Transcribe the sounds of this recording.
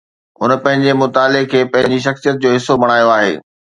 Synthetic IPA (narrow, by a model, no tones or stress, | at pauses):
ɦʊnəpɐ̃ɦɪ̃ɲd͡ʑemʊt̪aːlekʰeːpɐ̃ɦɪ̃ɲd͡ʑiʃ̬ɐxsijət̪̚d͡ʑoːɦɪsobɐɽ̃aːjoaːɦḛː